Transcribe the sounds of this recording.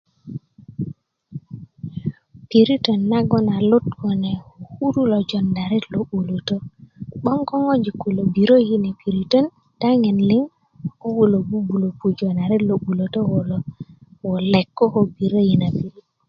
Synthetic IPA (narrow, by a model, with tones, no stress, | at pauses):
pi˨ɾitɔnːaɡɔna˨lo˦tkɔnɛ˨wɔhu˦ɾu˦lɔd͡ʒɔndaɾɛ˦loɓu˨lo˨tɔɓɔ˦ŋkɔ˦ŋo˦d͡ʒiku˨lo˨biɾo˦jinɛ˨pi˨ɾitɔ˦n | taŋɛ˨nliŋ | ɔ˦wu˨lo˨bu˦bu˨lo˨pu˨d͡ʒɔnaɾɛlo˨ɓu˨lotɔ˦wɔlɔwɔlɛkːɔ˦hobi˨ɾo˦jina˨piɾit